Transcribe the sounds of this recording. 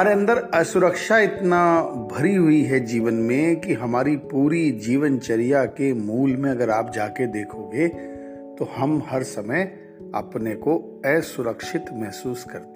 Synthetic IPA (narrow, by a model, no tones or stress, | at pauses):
ɦɐaːɾeɐ̃nd̪əɾɛsʊɾəkʃaɪt̪nabʱɐɾiɦʊiɦɛd͡ʒiːʋənmẽkiɦɐmaːɾipuːɾid͡ʒiːʋənt͡ʃɐɾijakemuːlmẽɐɡəɾaːp̚d͡ʒaːked̪eːkʰoɡe | t̪ohɐmhɐɾsɐməj | ɐ̰pneko | ɛːsʊɾəkʃɪt̪mɛɦsuːskɐɾt̪e